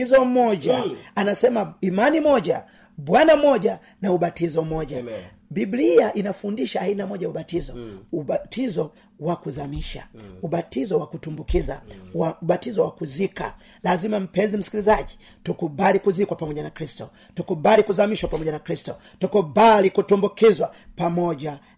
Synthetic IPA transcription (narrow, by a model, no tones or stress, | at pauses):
izɔm̩mɔʄaanasɛmaimanimɔʄa | ɓwanamɔɟa | nauɓatizɔm̩mɔʄa | bibliaʔinafundiʃaːinamɔɟajauɓatizɔutizɔ | wakuzamiʃa̰uɓatizɔwakutumbukiza̰wauɓatizɔwakuzika̰ | lazimam̩pɛnzim̩si̥kilizaʄi | tukubalikuzikwapamɔɟanakɾistɔ | tukubalikuzamiʃwapamɔʄanakɾistɔ | tɔkubalikutumbukizwapamɔʄa